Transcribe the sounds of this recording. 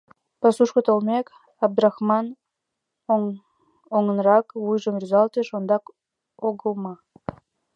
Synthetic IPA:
pɑsuʃkə̆t̪olmʲek | ɑb̚d̪urɑxmɑn | oŋə̆nrɑkβujʒəmryzɑlt̪eʃond̪ɑk | oɣəlˠmɑ

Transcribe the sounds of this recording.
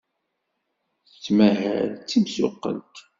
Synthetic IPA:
θət͡sːmæhæ̰lt͡sːimsʊqːə̰lt̪

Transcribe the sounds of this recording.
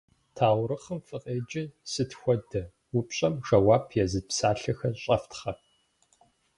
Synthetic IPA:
tʰaːwɾɨχəmfɨqʼeːd͡ʒɪsɨtxʷɔdɐ | wupɕʼɐmʒɐwaːpʰjɛzɨpsaːɬɐxɐrɕʼɐftχɐr

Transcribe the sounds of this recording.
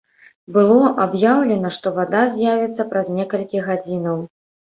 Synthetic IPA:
bɨlˠɔʔabjawlʲɛnɐʂt̪ɔvad̪azʲjavʲit̪sːɐpɾɐzʲnʲɛkɐlʲkʲiɣad͡zʲinɐw

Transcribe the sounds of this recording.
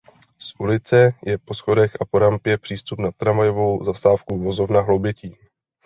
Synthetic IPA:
sʔulɪt͡sɛjɛpo̞sxo̞dɛxapo̞ɾampjɛpr̝̥iːst̪upnat̪ːɾamajo̞vo̞wzast̪aːfkuvo̞zo̞vnaɦlobjɛciː

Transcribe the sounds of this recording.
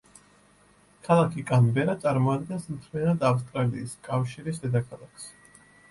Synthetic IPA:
kʰalˠakʰikʼanvɛɾat̪sʼaɾmɔad̪ɡɛnɛsmt̪ʰmɛɾad̪afs̬t̪ʼɾaliːskʼafʃiɾisd̪ɛd̪akʰalˠakʰs

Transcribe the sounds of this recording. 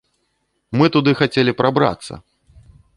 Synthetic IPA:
mɨt̪ud̪ɨxat͡sʲelʲipɾabɾa̰t̪sːɐ̰

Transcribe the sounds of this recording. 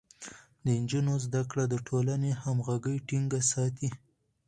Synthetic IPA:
d̪əɪnd͡ʒunozd̪akɽad̪əʈʰolanehamɣaɡəjʈiŋɡasɑt̪i

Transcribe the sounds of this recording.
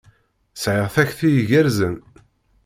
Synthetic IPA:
sʕəʁθæçθijʝæɾzən

